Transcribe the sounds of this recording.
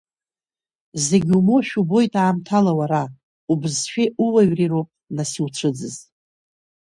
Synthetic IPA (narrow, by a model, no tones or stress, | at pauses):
ze̞ɡʲumo̞ʃᶣubo̞jtʼaːmtʰalawaɾa | ubɨzʃᶣiʔuwaɥriropʼnasiwt͡ʃʷʰɨd͡zɨz